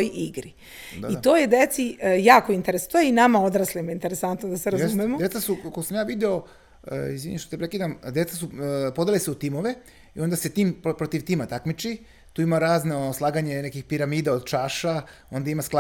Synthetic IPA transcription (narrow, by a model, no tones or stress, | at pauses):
ojʔiɡɾi | it̪oːjed̪et̪sijaːkoint̪eɾest̪oinamaod̪ɾaslimoint̪eɾesant̪nod̪aseɾazumemod̪et̪sasukoɡosamjaːʋid̪ɛo̞ | izʋḭɲeʃt̪ot̪epɾekid̪amd̪je̞t̪sasupo̞d̪eliseut̪imoʋe | io̞nd̪aset̪iːmppɾot̪iʋt̪iːmat̪akmit͡ʃi | t̪uːimaɾaːznaoslˠaːɡaɲenekixpiɾamiːd̪aod̪t͡ʃaːʃa | o̞nd̪aimaskla